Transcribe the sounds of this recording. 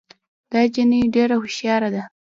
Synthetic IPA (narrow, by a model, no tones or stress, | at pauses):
d̪̥ɑd͡ʒiniɖeɾahʊʃjɑɾad̪a